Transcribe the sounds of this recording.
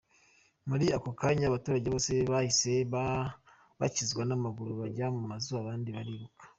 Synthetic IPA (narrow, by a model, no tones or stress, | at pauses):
muɾiakokaɲaβatuːɾaɟeβose̞βahise̞β | βa̰cizɡwanamaɡuɾuβaɟamumazuaβaːndiβaɾiβukḁ